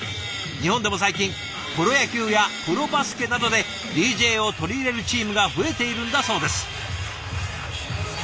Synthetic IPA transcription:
ɲ̟ihõ̞nd̪e̞mo̞saikʲĩŋ | koɾo̞jakʲɨːjapɯ̟ɾo̞basɨ̥ke̞nad̪o̞d̪e̞ | d̪ʲiːʑe̞ːo̞t̪o̞ɾʲiːɾe̞ɾɯ̟t͡ɕiːmɯ̟ɡaɸɯ̟e̞t̪e̞iɾɯ̃nd̪aso̞ːd̪e̞sɨ̥

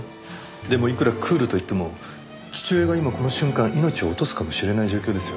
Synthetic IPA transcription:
d̪e̞mo̞ikɯ̟ɾakʰɯ̟ːɾɯ̟t̪o̞it̪ːe̞mo̞ | t͡ɕi̥t͡ɕɨːeɡaimako̞noɕɨ̃ŋkãɰ̃ʔino̞t͡ɕio̞ːt̪o̞sɨ̥kamo̞ɕiɾe̞naiʑo̞ːkʲoːd̪e̞sɨjo

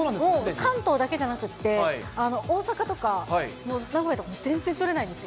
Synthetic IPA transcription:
oːnãnd̪ekãnt̪o̞ːd̪ake̞ʑanakɯ̟t̪ːe̞ano̞ʔo̞ːsakat̪o̞kanonaɡo̞jet̪okomozẽ̞nd͡ze̞nt̪o̞ɾe̞naĩnd̪esɨo

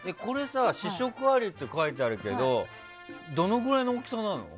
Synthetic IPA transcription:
e̞ko̞ɾe̞saɕiɕo̞kɯ̟aɾʲit̪ːe̞kait̪̬eaɾɯ̟ke̞̰d̪o̞ | d̪o̞no̞ɡɯ̟ɾaino̞ːkʲi̥sanãno̞̰

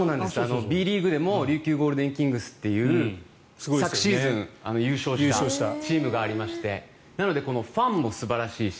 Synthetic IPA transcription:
soːnãnd̪esɨ̥anobʲiːɾʲiːɡɯ̟d̪e̞mo̞ɾʲɨːkʲɨːɡo̞ːɾɯ̟d̪ẽ̞ŋkʲĩŋɡɯ̟sɨ̥t̪ːe̞jɯ̟ː | sɨɡosakɯ̟̥ɕiːzzɨ̃ŋano̞jɯ̟ːɕo̞ːɕɯiːt̪aoːɕi̥t̪at͡ɕiːmɯ̟ɡaːɾʲimaɕi̥t̪e̞ | nano̞d̪e̞ko̞no̞ɸãmːo̞sɨbaɾaɕi̥ː

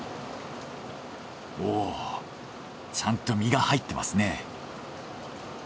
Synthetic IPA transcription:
oː | t͡ɕãnt̪o̞mʲiɡahait̪ːe̞mʔa̰sɨne̞

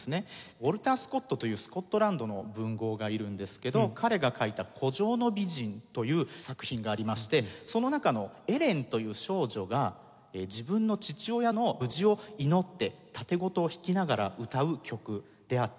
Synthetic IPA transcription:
sɨne̞oɾɯ̟t̪aːsɨ̥ko̞t̪ːo̞t̪o̞jɯ̟ːsɨ̥ko̞t̪ːo̞ɾãnd̪o̞no̞bɯ̟̃ŋɡo̞ːɡaiɾɯ̟̃nd̪e̞sɨ̥ke̞d̪o̞kʰaɾe̞ɡakʰait̪akʰo̞ʑo̞ːno̞bʲiʑĩnt̪o̞jɯ̟ːsakɯ̟̥çĩŋɡaːɾʲimaɕi̥t̪e̞so̞no̞nakano̞e̞ɾẽ̞nt̪o̞jɯ̟ːɕo̞ːʑo̞ɡa | ed͡ʑibɯ̟̃nːo̞t͡ɕit͡ɕio̞jano̞bɯ̟ʑio̞ino̞t̪ːe̞t̪at̪e̞ɡo̞t̪o̞ːçi̥kʲinaɡaɾa̰ɯ̟t̪aɯ̟kʲʰo̞kɯ̟ | d̪̥e̞at̪ː

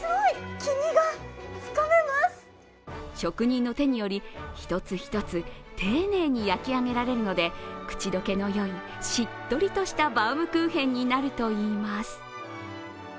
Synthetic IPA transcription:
soikʲiɲ̟iɡat͡sɨ̥komemasɨ̥ | ɕo̞kɯ̟ɲ̟ĩnːo̞t̪e̞ɲ̟ijo̞ɾʲiçi̥t̪o̞t͡sɨçi̥t̪o̞t͡sɨ | t̪ʰe̞ːne̞ːɲ̟ijakʲiaŋe̞ɾaɾe̞ɾɯ̟no̞d̪e̞kɯ̟̥t͡ɕid̪o̞ke̞no̞jo̞i | ɕit̪ːo̞ɾʲit̪oɕi̥t̪abaɯmɯ̟kɯːɦẽ̞ɲ̟ːinaɾɯ̟t̪o̞iːmasɨ̥

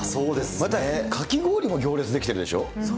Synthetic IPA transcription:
soːd̪e̞sɨ̥mat̪aekʰakʲiɡo̞ːɾʲimo̞ɡʲo̞ːɾʲe̞t͡sɨd̪e̞kʲi̥t̪e̞ɾɯ̟d̪e̞ɕo̞̰ː

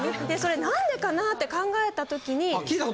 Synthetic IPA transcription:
d̪e̞so̞ɾe̞nãnd̪e̞kanat̪ːe̞kãŋɡae̞t̪at̪o̞kʲiɲ̟ikʲiːt̪ako

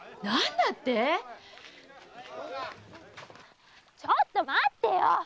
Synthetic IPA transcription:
nanːat̪ːe | t͡ɕʌt̪͈ːomat̪ejo

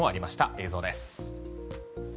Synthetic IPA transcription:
oaɾʲimaɕi̥t̪aʔe̞ːzo̞ːd̪e̞sɨ̥

